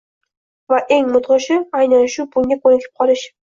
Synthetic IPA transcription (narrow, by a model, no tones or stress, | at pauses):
vaʔeŋmʊt̪ʁɨʃɪajnanɪʃubʊŋɡʲakʰɵnɪkʰʲɪ̥p̚qʰɒlˠɪʃ